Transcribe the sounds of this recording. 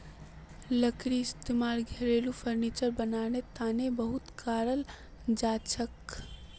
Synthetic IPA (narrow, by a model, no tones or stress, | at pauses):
ləkɾiɪst̪emalɡʱeɾelupʰəɾnit͡ʃəɾbənanet̪anebəɦut̪kaːɾəl | d͡ʒat͡ʃʰək